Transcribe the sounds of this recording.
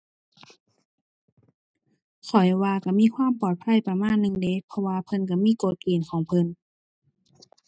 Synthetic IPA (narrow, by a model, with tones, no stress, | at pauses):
sʰɔ˨˩˦jwaː˧ka˧˩miː˧˥˨kʰwaː˧˥˨mpɔː˨˩t̪̚pʰa˧˥˨jpa˧maː˧˥˨nːɯ˧˨ŋde˧˦pʰɔ˧waː˧pʰɤ˧˥nk̬a˧˩miː˧˥˨ko˨˩t̪̚keː˨˩nkʰɔː˨˦ŋpʰɤ˧˥˨n